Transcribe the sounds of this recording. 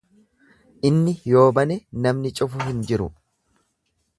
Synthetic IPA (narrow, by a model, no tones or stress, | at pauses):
ʔɪnːɪjo̞ːbɐnenɐmnɪt͡ʃʼʊfʊhɪnd͡ʒɪɾʊ̰